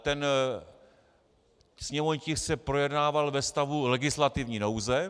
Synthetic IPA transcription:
t̪ɛn | sɲɛmoɲcɪxsɛpɾo̞jɛdnaːvalvɛst̪avulɛɡɪslat̪ɪvɲiːnowzɛ

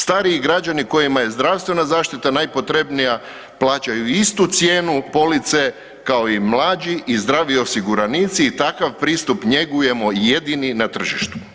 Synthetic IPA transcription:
st̪aːɾiːɡɾad͡ʒaniko̞jimaje̞zd̪ɾaʋst̪ʋe̞nazaːʃt̪it̪anajpo̞t̪ɾe̞bnija | plˠaːt͡ʃajuist̪ut̪sjeːnupo̞lit̪se̞ | kao̞imlˠaːd͡ʒiʔizd̪ɾaːʋio̞siɡuɾanit̪siːt̪akaʋpɾiːst̪upɲe̞ɡuje̞mo̞jed̪ininat̪r̩ʒiʃt̪u̥

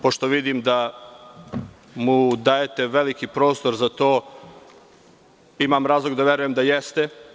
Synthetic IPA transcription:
po̞ʃt̪o̞ʋid̪imd̪a | mud̪aːjet̪e̞ʋe̞likipɾo̞ːst̪o̞ɾzat̪o̞ː | imamɾaːzlˠo̞ɡd̪aʋeɾuje̞md̪ajest̪e

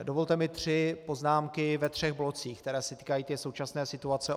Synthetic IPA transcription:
dovo̞lt̪ɛmɪt̪r̥ɪpo̞znaːmkɪvɛt̪r̝̥ɛɣblo̞t͡siːxkt̪ɛɾɛːsɛt̪i̥ːkajiːt̪ɛːso̞wt͡ʃasnɛːsɪt̪uat͡sɛ

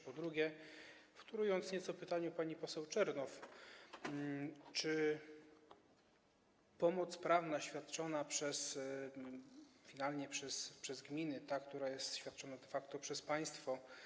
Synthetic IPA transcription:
pɔd̪ɾuɡʲjɛ | ft̪uɾujɔnt̪sɲɛt̪sɔpɘt̪aɲupaɲipɔsɛwt͡ʂɛɾnɔf | t͡ʂɘ | pɔmɔt̪spɾavnaɕfʲjat̪t͡ʂɔnapʂɛs | fʲinalɲɛpʂɛspʂɛzɡmʲinɘt̪akt̪uɾajɛst̪ɕfʲjat̪̚t͡ʂɔnad̪ɛfakt̪ɔpʂɛspaj̃st̪fɔ

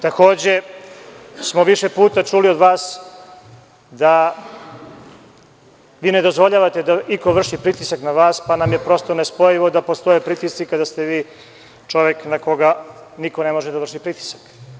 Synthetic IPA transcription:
t̪ako̞ːd͡ʑe̞ | smo̞ʋiʃepuːt̪at͡ʂulio̞d̪ʋaːs | d̪a | ʋiːned̪ozʋo̞ʎaʋat̪ed̪aikoʋr̩ʂipɾit̪isaknaʋaːspanamjepɾo̞st̪o̞nespo̞jiʋo̞d̪apo̞st̪o̞jepɾit̪ist̪sikad̪ast̪eʋiː | t͡ʃo̞ʋeknako̞ɡaniko̞ne̞mo̞ʒed̪ar̩ʂipɾit̪i̥sḁk

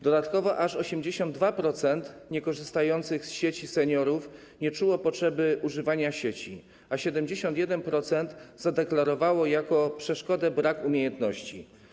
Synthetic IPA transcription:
d̪ɔd̪at̪kɔvɔʔaʂɔɕɛmd͡ʑeɕɔnd̪̚d̪vapɾɔt̪sɛnt̪ɲɛkɔʐɘst̪ajɔnt̪sɘɣsɕet͡ɕisɛɲɔɾuf | ɲɛt͡ʂuwɔpɔtʂɛbɘʔuʐɘvaɲaɕet͡ɕi | aɕɛd̪ɛmd͡ʑeɕɔnt̪jɛd̪ɛnpɾɔt̪sɛnt̪zad̪ɛklaɾɔvawɔjakɔpʂɛʂkɔd̪ɛbɾakumʲjejɛnt̪nɔɕt͡ɕi

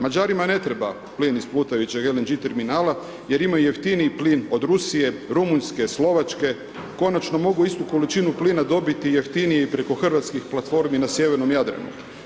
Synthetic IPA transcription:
mad͡ʑaːɾimane̞t̪ɾe̞ba | pliːnisplˠuːt̪ajut͡ɕeɡelend͡ʒit̪e̞ɾminaːla | je̞ɾimajuje̞ft̪iniipliːno̞d̪ɾusije̞ɾumunske̞slˠo̞ʋat͡ʃke̞ | ko̞nat͡ʃno̞mo̞ɡuist̪uko̞lit͡ʃinupliːnad̪o̞bit̪ije̞ft̪inijeipɾe̞ko̞xr̩ʋat̪skixplˠat̪fo̞ɾminasje̞ʋeɾno̞mjad̪ɾa̰nṵ

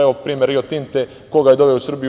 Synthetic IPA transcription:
eʋopɾiːmeɾiot̪int̪e | koɡajed̪oʋeusr̩bij

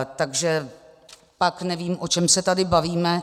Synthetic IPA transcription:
t̪aɡʒɛ | paknɛviːmʔo̞t͡ʃɛmsɛt̪adɪbaviːmɛ

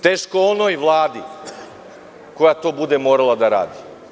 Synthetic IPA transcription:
t̪eːʃkoonojʋlˠaːd̪i | ko̞jat̪o̞ːbud̪e̞moːɾalˠad̪aɾa̰ːd̪i

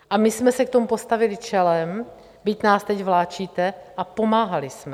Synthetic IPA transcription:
ʔamɪsmɛsɛkt̪o̞mupo̞st̪avɪlɪt͡ʃɛlɛm | bɪcnaːst̪ɛcvlaːt͡ʃiːt̪ɛʔapo̞maːɦalɪsmɛ

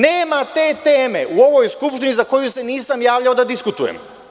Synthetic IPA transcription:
neːmat̪e̞ːt̪eːme̞ʔuo̞ʋo̞jskupʃt̪inizako̞juse̞niːsamjaːʋlʎaod̪ad̪iskut̪ujḛm

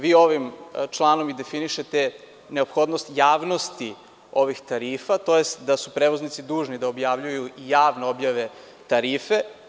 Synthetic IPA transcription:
ʋiːo̞ʋimt͡ʃlˠanomid̪e̞finiʃet̪e | neo̞pxo̞d̪nost̪jaːʋno̞st̪i | o̞ʋixt̪aɾiːfat̪o̞jest̪d̪asupɾeʋoznit̪sid̪uːʒnid̪aobjaʋʎujuijaːʋneo̞bjaʋe̞ | t̪aɾiːfe̞

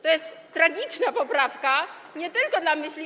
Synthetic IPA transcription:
t̪ɔjɛst̪ːɾaɡʲit͡ʂnapɔpɾafka | ɲɛt̪ɘlkɔd̪lamɘɕlʲi

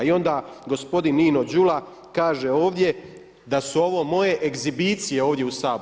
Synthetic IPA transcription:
io̞nd̪aːɡo̞spo̞d̪inːiːno̞d͡ʑula | kaːʒe̞o̞ːʋd̪je̞ | d̪asuo̞ʋo̞mo̞je̞ʔeɡzibiːt̪sije̞o̞ːʋd̪je̞usaːb

